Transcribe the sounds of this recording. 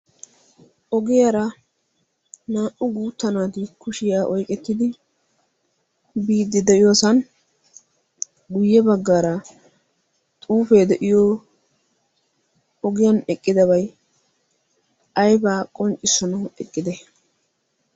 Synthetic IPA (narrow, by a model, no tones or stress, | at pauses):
ʔɔɡɪjɐɾɐ | naːʔʊɡuːt̪ːɐnaːt̪ɪkʊʃɪjaːʔɔjkʼɛt̪ːɪd̪ɪ | biːd̪ːɪd̪ɛʔɪjoːsɐn | ɡʊjːɛbɐɡːaːɾɐ | t̪ʼuːfeːd̪ɛʔɪjo | ɔɡɪjɐnɛkʼːɪd̪ɐβɐj | ɐjbaːkʼɔnt͡ʃʼːɪsɔnɐɛkʼːɪd̪ɛ